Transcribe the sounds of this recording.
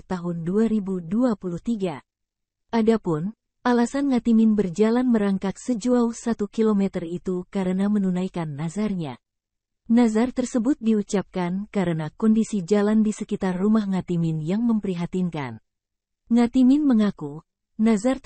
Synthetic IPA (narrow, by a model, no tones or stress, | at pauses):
t̪aɦʊnduaɾibuduapuluht̪iɡa | ʔadapʊn | ʔalasanŋat̪imɪnbərd͡ʒalanməɾaŋkat̪̚səd͡ʒuausat̪ukilomɛt̪ərit̪ukaɾənamənunajkanːazarɲa̰ | nazart̪ərsəbʊt̪̚diut͡ʃap̚kankaɾənakɔndisid͡ʒalandisəkit̪arːumahŋat̪imɪnjaŋməmpəɾiɦat̪inka̰n | ŋat̪imɪnməŋaku | nazar